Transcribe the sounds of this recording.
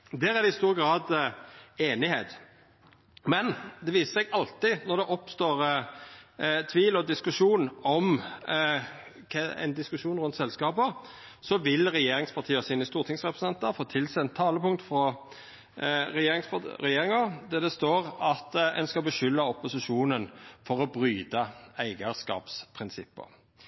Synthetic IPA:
d̪æːɾæd̪ɛɪst̪uːɾəɡɾɑːd̪ | eːnɪheːt̪ | mɛnd̪ɛʋiːsə̥sɛɡɑlt̪ɪnɔɾd̪ɛʔɔpst̪oːɾ | t̪ʰʋiːlɔd̪ɪskʉʂuːnɔm | kʰɛɛ̰nd̪ɪskʉʃuːnɾʉnt̪sɛlskɑːpə | sɔʋɪlʁɛjeːɾɪŋspʰɑʁt̪ʰiːəsiːnəst̪uːɾt̪ʰɪŋsʁɛpɾəs̩n̩ɛnt̪ɑfoːt̪ʰɪlsɛɛnt̪ʰːɑːləpʊŋt̪fɾɔ | ɾɛjeːɾɪŋspɑɾɛjeːɾɪŋɑd̪ɛd̪ɛst̪oːɾɑt̪ɛ̰nskɑbəʃʏlːɑɔpʊsɪʂuːnənfɔɾɔbɾyːd̪əæɪɡəskɑ̰ːpspʰɾɪnsɪpːə̰

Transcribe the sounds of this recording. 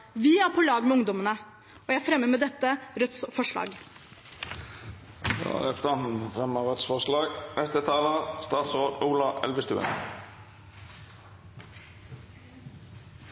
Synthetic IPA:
ʋɪæːɾpʰɔlɑːɡmɛʊŋd̪ɔmənə | ɔːjææfɾɛmːəmɛːd̪ɛt̪ːəɾœt̪sfɔʂɭɑ̰ːɡ | æ̰ʁɛpst̪ɑnt̪n̩fʁɛməʁœt̪sfɔʁʂlɑːɡmɛst̪ət̪ʰɑːləst̪ɑːt̪soːd̪uːlɑɛ̰lʋəst̪ʉ̰ːə̰n

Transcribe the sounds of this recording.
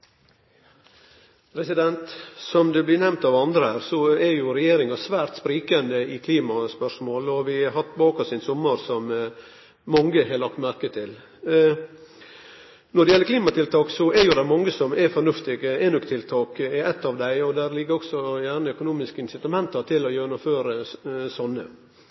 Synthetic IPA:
pʰɾɛsɪd̪ɛnt̪sɔmd̪ʉblɪnɛmnt̪ɑʋɑnd̪ɾəhæːɾsɔɛɾjʊɾɛjeːɾɪŋɑsʋæːɾt̪spɾiːkɑnd̪əɪkʰliːmɑspœʂmoːlɔʋɪɦɑt̪ːbɑːkɔsɪnsʊmːəɾsɔmː | ɑŋːəhɛlɑkt̪mæɾkət̪ʰɪl | nɔɖ̪dɛjɛlːəɾkʰliːmɑt̪ʰɪlt̪ʰɑːksɔɛɾjʊd̪æɪmɔŋːəsɔmɛfɔɾɳʉft̪ɪɡeːnʊkt̪ʰɪlt̪ʰɑːkɛɛt̪ːɑʋd̪æɪɔd̪æɾlɪɡːəɾɔksɔjæːɾɳəœkʊnuːmɪskəɪnsɪt̪ɑmɛnt̪ɑt̪ʰɪlɔjøːnʊmføːɾəsɔnːə̰

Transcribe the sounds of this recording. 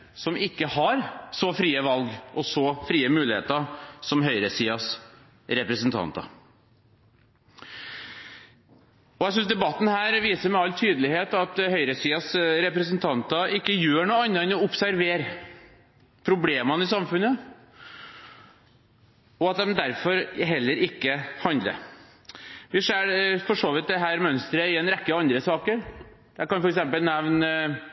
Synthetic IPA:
sɔmɪkːəhɑɾsɔfɾiːəʋɑlɡʔɔsɔfɾiːəmʉːlɪhḛːt̪əsɔmɦœʏɾəsiːɑs | ɾɛpɾɛsənt̪ʰɑ̰nt̪ɑ̰ | ɔjæɪs̬ʏnsd̪ɛbɑt̪ːn̩hæːɾʋiːsəɾmɛɑlːt̪ʰyːd̪əlɪheːt̪ɑt̪hœʏɾəsiːɑsɾɛpɾɛs̬ənt̪ʰɑnt̪ɑɪkːəjøːɳuːɑnːɑɾɛnɔʊpsæɾʋeːɾ | pʰɾʊbleːmɑnəɪsɑmfʉnːə | ɔɑt̪̚d̪ɛmd̪æɾfɔɾɦɛlːəɾɪkːəhɑnd̪lə̰ɾ | ʋɪʂeːfɔʂoːʋɪt̪̚d̪ɛɦæːɾmœnst̪ɾəɪɛnɾɛkːəɑnd̪ɾəsɑːkəɾ | d̪̥ækɑnfɔɾɛksɛmpəlnɛʋn

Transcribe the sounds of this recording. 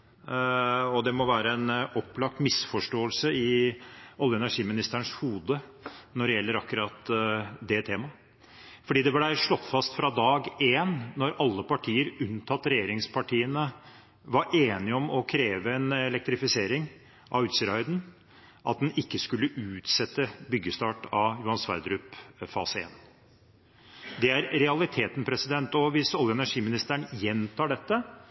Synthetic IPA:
ɔd̪ɛmɔʋæːɾəɛnɔpːlɑk̚t̪mɪsfɔʂʈoːəlsəɪ | ɔljəɛnæɾʂiːmɪnɪst̪əəɳʂhuːd̪ənɔɖɛjɛlːəɾɑkːʉɾɑt̪d̪ɛt̪ʰeːmɑ | fɔɖiːd̪ɛblæʂɭɔt̪ːfɑst̪fɾɑd̪ɑːɡeːnːɔɾɑlːəpɑʈʰiːəɾʉnt̪ʰɑt̪ːɾɛjeːɾɪŋspʰɑʈʰiːənə | ʋɑɾʔeːnɪɔmɔkʰɾeːʋəɛnɛlɛk̚t̪ɾɪfɪseːɾɪŋ | ʔɑ̰ʋʉːt̪sɪɾɑɪd̪n̩ | ʔɑ̰t̪̚d̪ɛnɪkːəskʉlːəʔʉːt̪sɛt̪ːəbʏɡːəst̪ɑːʈɑjʊhɑnsʋɑ̰ɾd̪ɾʉpfɑ̰ːsəḛːn | d̪ɛæɾɾɛɑlɪt̪ʰeːt̪npʰɾɛsɪd̪ɛnt̪ɔʋɪsɔljəɛnæʂiːmɪnɪst̪æɳjɛnt̪ʰɑːɖɛt̪ːə

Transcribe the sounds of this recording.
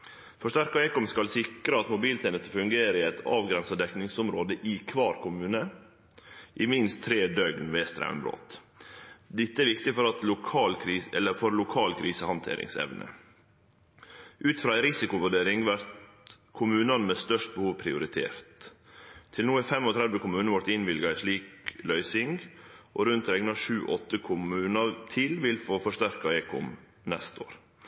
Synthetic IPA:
fɔʂt̪æɾkɑɛɪkɔmskɑlsɪkɾəɑt̪mʊbiːlt̪ʰeːnəst̪əfʉŋɡeːɾəɪɛɪt̪ʰɑ̰ːʋɡɾɛnsɑd̪ɛknɪŋsʊmɾoːd̪əʔɪkʰʋɑːɾkʰʊmʉːnə | ʔɪmɪnst̪ʰːɾeːd̪œɡnʋeːst̪ɾæ̰ʉmbɾo̰ːt̪ | d̪ɪt̪ːəɛɾʋɪkt̪ɪfɔɾɑt̪lʊkʰɑːlkʰɾiːɛlːəfɔɾlʊkʰɑːlkʰɾiːsəhɑnt̪ʰḛːɾʔɪ̰ŋsɛ̰ʋnʔə̰ | ʔʉːt̪fɾɑːæɪɾɪsɪkʊʋʉɖeːɾɪŋʋæɾt̪ | kʰʊmʉːnɑnmɛst̪œʂʈ̚bəhuːʋpʰɾɪʊɾɪt̪ʰḛːɾt̪ | t̪ʰɪlnuːæfɛmɔt̪ʰɾɛd̪ʋəkʰʊmʉːnəʋɔɾt̪ɪnʋɪlɡɑɪʂɭiːklœʏsɪŋɡʔɔɾʉnt̪ɾɛɡnɑʂʉːʔɔt̪ːəkʰʊmʉːnɑɾt̪ʰɪlʋɪlfoːfɔʂtæɾkɑɛːkʊ̰m | nɛst̪o̰ːɾ

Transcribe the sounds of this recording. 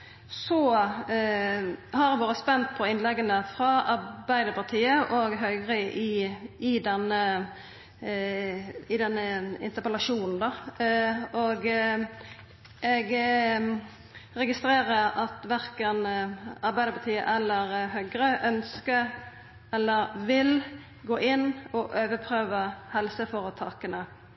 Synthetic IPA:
sɔ | hɑɾɛʋoːɾəspɛnt̪̚pʰɔɪnlɛɡənəfɾɑɑɾbæɪd̪əpʰɑʁt̪ʰiːəʔɔɡɦœʏɡʁəɪɪd̪ɛnːə | ɪd̪ɛnːəɪ̰nt̪əɾpəlɑʃuːnn̩d̪ɑ | ɔɡ | ɛɡ | ɾɛɡɪst̪ɾeːɾəɾɑt̪ʋæɾkənɑɾbæɪd̪əɾpɑt̪ʰiːə̰ʔɛlːəɾɦœɡɾəʔœnskə | ɛlːəɾʋɪl | ɡoːʔɪnːɔʔøːʋəpʰɾøːʋəhɛlsəfɔɾət̪ʰɑːkənə

